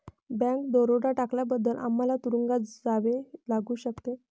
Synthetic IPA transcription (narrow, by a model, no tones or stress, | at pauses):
bɛ̃kd̪oɾoɽaʈakljabəd̪ʱːəlʔa̰mːalat̪uɾuŋɡad͡zaʋelaɡuːɕəkt̪e